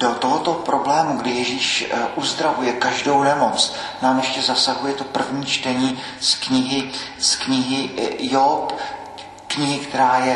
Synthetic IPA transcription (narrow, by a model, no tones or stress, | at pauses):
do̞t̪oɦot̪o̞pɾo̞blɛːmuɡdɪjɛʒiːʃʔuzd̪ɾavujɛkaʒdo̞wnɛmo̞t͡s | naːmjɛʃcɛzasaɦujɛt̪o̞pr̩vɲiːt͡ʃt̪ɛɲiː | skɲɪɦɪskɲɪɦɪjop | kɲɪɦɪkt̪ɛɾaːjɛ